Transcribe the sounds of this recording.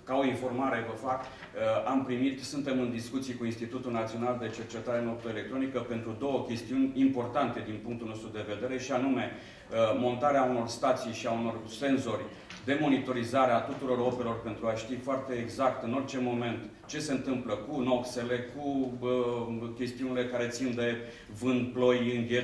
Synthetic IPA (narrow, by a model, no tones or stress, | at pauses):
kao̞info̞rmaɾe̞vəfak | ampɾimit̪sɨnt̪e̞mɨnd̪iskut̪sijkuinst̪it̪ut̪ulnat̪sio̞nald̪e̞t͡ʃe̞rt͡ʃe̞t̪aɾe̞nopt̪oele̞k̚t̪ɾo̞nikəpe̞nt̪ɾud̪o̞wəkʲe̞st̪iunʲimpo̞rt̪ant̪e̞d̪inpuŋk̚t̪ulno̞st̪ɾud̪e̞ve̞d̪e̞ɾe̞ʃianume̞ | mo̞nt̪aɾeauno̞rst̪at̪sijʃiauno̞rse̞nzo̞rʲ | d̪e̞mo̞nit̪o̞ɾizaɾeat̪ut̪uɾo̞ɾo̞pelo̞rpe̞nt̪ɾuaʃt̪ifoart̪e̞ːɡzakt̪ɨno̞rt͡ʃe̞mo̞me̞nt̪ | t͡ʃe̞se̞ɨnt̪ɨmpləkuno̞kse̞le̞ku | kʲe̞st̪iunile̞kaɾe̞t̪sind̪e̞ | vɨnd̪̚plo̞jɨŋɡʲe